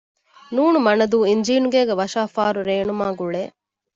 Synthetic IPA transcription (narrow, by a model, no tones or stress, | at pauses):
nuːnumɐnɐd̪uːiɲd͡ʒiːnuɡeːɡeʋɐʃaːfaːɾuɾeːnumaːɡuɭeː